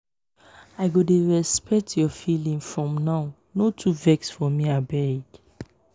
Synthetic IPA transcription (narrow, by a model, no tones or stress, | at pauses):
aɪɡodeɹɛspʰɛk̚tʰjɔfilĩŋfɹɔ̃mnaʊ | notʰuvɛksfɔmiabɛɹiɡ